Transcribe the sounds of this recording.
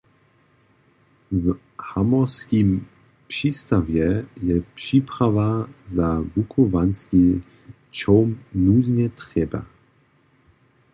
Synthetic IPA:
v | hamɔskim | pʂiːst̪avjɛjɛpʂiːpɾavazavukʰuvanski | t͡ʃɔwmnuːzɲɛt̪ʁɛba̰

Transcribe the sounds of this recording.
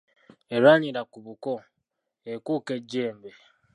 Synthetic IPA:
eɾwaniɾakuβuko | ekuːke̞ɟːeːmbe

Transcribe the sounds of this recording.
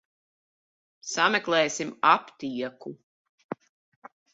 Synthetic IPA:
samɛklˠɛːsimapt̪iɛku

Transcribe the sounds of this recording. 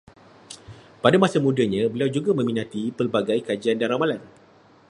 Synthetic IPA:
padamasamũdaɲãbəliawd͡ʒuɡamə̃minat̪ipəlbaɡajkad͡ʒiandaɾamalan

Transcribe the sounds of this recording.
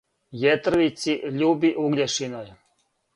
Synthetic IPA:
jet̪r̩ʋit̪siʔʎuːbiʔuɡleʃinoj

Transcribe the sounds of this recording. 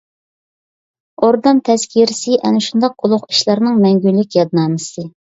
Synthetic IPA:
oɾd̪ɑnt̪ʰɛskʲʰiɾɪsɪʔɛnɪʃund̪ɑq̚ulˠʊʁi̥ʃlˠɑɾnɨŋmɛŋɡʲylːɪkʲjɑd̪̚nɑːmɨsɨ

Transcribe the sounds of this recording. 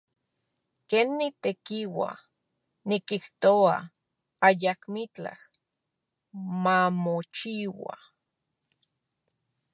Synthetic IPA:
keːnːit̪ekiwa̰ | nikiht̪oa̰ | ajakmit͡ɬa̰h | mamot͡ʃiwa̰

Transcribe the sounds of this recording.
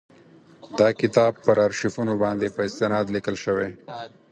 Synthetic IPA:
d̪ɑkɪt̪ɑbpːəɾaɾʃifunobɑnd̪epəɪst̪ɪnɑd̪likəlʃəwe

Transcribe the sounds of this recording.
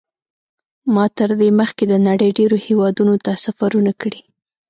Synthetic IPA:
mɑt̪əɾd̪eməxked̪ənaɽəjɖeɾohewɑd̪unot̪asafaɾunakɽi

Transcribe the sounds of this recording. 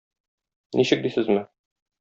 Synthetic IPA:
niɕɘk̚d̪isɘzmɘ

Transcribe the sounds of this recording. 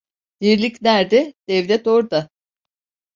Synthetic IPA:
d̪̥iɾlʲicnæɾd̪ɛd̪̥ɛvlʲɛt̪oɾd̪a

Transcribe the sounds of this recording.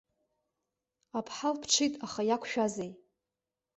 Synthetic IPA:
apʰħalpʰʈ͡ʂʰɨjtʼaχajakʷʰʃᶣazej

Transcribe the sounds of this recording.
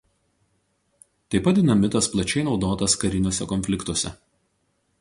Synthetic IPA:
t̪ɐɪpɐt̪̚ʲd̪ʲɪnɐmʲɪt̪ɐsplˠɐt͡ʃʲɛɪnɒʊd̪oːt̪ɐskɐɾʲɪnʲuɔsʲɛkɔnʲfʲlʲɪkt̪uɔsʲɛ̰

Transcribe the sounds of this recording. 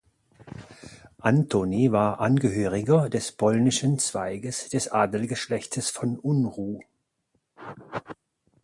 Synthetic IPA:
ʔantʰonivaːɐʔanɡəɦøːʁɪɡɐdɛspʰɔlnɪʃənt͡sv̥aɪɡəsd̥ɛsʔaːdl̩ɡəʃlɛçtʰəsfɔnʔʊnʁuː

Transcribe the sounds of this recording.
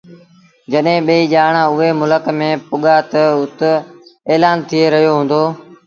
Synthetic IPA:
d͡ʒəɗɦẽːɓəiːʄaːɳ̃ãːʊɦeːmʊləkmẽːpʊɠaːt̪əʊt̪eːlaːnt̪ʰieɾəɦijoːɦũːnd̪oː

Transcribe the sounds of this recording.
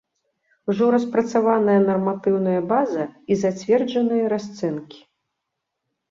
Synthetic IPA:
uʐɔɾɐspɾɐt̪savanɐjɐnɐrmat̪ɨwnɐjɐbazɐizat͡sʲvʲɛrd͡ʒɐnɨjɐɾast̪sɛnkʲi̥

